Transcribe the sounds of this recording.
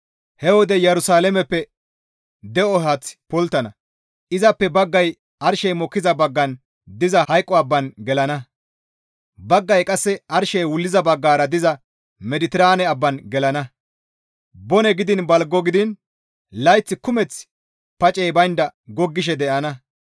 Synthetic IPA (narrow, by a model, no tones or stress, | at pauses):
hɛwɔd̪ɛjɛɾʊsaːlɛmɛpːɛ | d̪ɛʔɔɦɐt͡spɔlt̪ːɐnɐ | ʔɪzɐpːɛbɐɡːɐj | ɐɾʃɛjmɔkːɪzɐbɐɡːɐn | d̪ɪzɐhɐjkʼːɔɐbːɐnɡɛlɐnɐ | bɐɡːɐjkʼɐsːɛʔɐɾʃɛjwʊlːɪzɐbɐɡːaːɾɐd̪ɪzɐ | mɛd̪ɪt̪ɪɾaːnɛɐbːɐnɡɛlɐnɐ | bɔnɛɡɪd̪ɪnbɐlɡːɔɡɪd̪ɪn | lɐjt͡sːɪkʊmɛt͡s | pɐt͡ʃʼɛjbɐjnd̪ɐɡɔɡːɪʃ̬ɛd̪ɛʔɐnɐ